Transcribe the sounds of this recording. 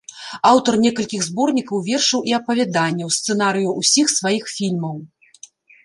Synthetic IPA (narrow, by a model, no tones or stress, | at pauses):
awt̪ɐrnʲɛkɐlʲkʲiɣzbɔrnʲikɐwvʲɛrʂɨwʔiɐpɐvʲad̪anʲːɛwst̪sɛn̪aɾɨjuʔusʲixsvajixfʲilʲmɐw